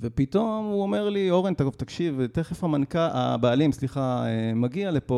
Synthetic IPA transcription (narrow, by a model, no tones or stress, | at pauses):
vepit̪o̞muome̞ʁlioʁent̪aɡovtakʃivte̞χefhamankaʔa̰baalimsliχaemaɡialepo̞